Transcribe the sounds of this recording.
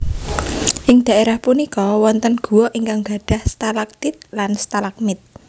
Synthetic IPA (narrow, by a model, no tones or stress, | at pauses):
ʔɪŋd̪̥ä̤ʔeɾahpunikɔwɔnt̪ənɡ̥uwɔʔiŋkaŋɡa̤ɖ̥a̤hst̪alak̚t̪ɪt̪̚lanst̪alak̚mɪt̪̚